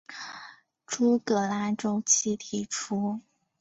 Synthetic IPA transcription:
ʈ͡ʂu˥kɤ˧˩la˧˥nʈ͡ʂo˥ʊt͡ɕʰi˥t̪ʰi˧˩ʈ͡ʂʰu˥

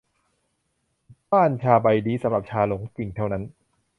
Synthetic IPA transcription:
baː˥˩nt͡ɕʰaː˧ba˧jdiː˧˩sa˨˦ɾa˨˩p̚t͡ɕʰaː˧lo˩˦ŋki˨˩ŋt̪ʰa˥˩wna˦˥n

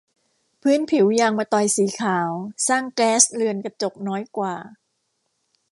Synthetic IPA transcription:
pʰɯː˦˥˨npʰi˩˦wjaː˧ŋmaː˧t̪ɔ˨˩jsiː˩˦kʰaː˩˦wsaː˥˩ŋkɛː˦˥slɯ˧ənka˧t͡ɕo˨˩k̚nɔː˦˥jkwaː˨˩

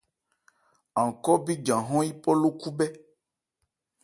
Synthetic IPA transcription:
ã˨kɔ˦bi˦d͡ʒã˨ɦɔ̃˦ji˦pɔ˦lo˦ku˦bɛ˦

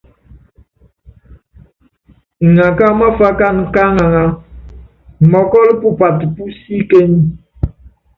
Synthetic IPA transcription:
ŋa˨ka˦ma˦fa˦ka˦˨n˨ka˦ŋa˨ŋa˦˨ | mɔ˨kɔ˦lpu˦pa˨tpu˦si˦ke˦ɲi˨

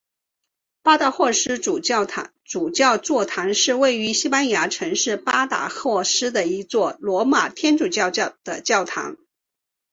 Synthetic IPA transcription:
pa˥t̪a˥˧xwɔ˥˩ʂɻ̩˥˨˩ | ʈ͡ʂu˨˩t͡ɕjɑ˥˧ʊt͡swɔ˥˩t̪ʰa˧˥ŋʂɻ̩˥˧we˥˩ɪy˧˥ɕi˥pa˥nja˧˥ʈ͡ʂʰɤ˧˥ŋʂɻ̩˥˩pa˥t̪a̰˨˥xwɔ˥˩ʂɻ̩˥d̪ə˨i˧˥t͡swɔ˥˩lwɔ˧˥ma˨˩t̪ʰjɛ˥nʈ͡ʂu˨˩t͡ɕjɑ˥˧ʊ˥˩d̪̥ə˨˩t͡ɕjɑ˥˩ʊt̪ʰa̰˧˥ŋ

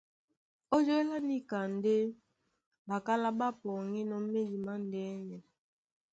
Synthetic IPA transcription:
ɔ˦d͡ʒo˦e˦la˦ni˦ka˨n̩˨˦de˦ | ba˨ka˦la˦ɓa˦pɔ˨ŋi˦nɔ˨m̩˦me˦di˨ma˦n̩˨dɛ˦nɛ˨

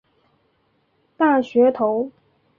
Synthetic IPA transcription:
t̪a˥˩ɕɥɛ˧˥t̪ʰo˧˥ʊ

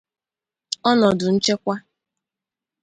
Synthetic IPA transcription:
ɔ˦nɔ˨dʊ˨n̩˦t͡ʃe˦kʷa˦

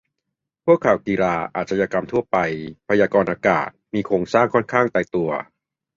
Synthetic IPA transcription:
pʰu˥˩əkʰːa˨˩wkiː˧ɾaː˧ʔa̰ː˨˩t̪̚sʰaː˧jaː˧ka˧mt̪ʰu˥˩ɐpa˧jpʰa˧jaː˧kɔː˧nʔaː˧ka̰ː˨˩t̪̚miː˧kʰɾoː˧ŋsaː˥˩ŋkʰɔ˥˩nkʰaː˥˩ŋt̪aː˧jt̪u˧ɐ

